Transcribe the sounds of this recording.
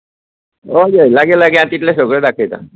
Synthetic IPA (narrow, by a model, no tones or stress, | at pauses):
ojejlaɡelaɡiãt̪iʈ̪lesoɡɭed̪akʰejt̪a̰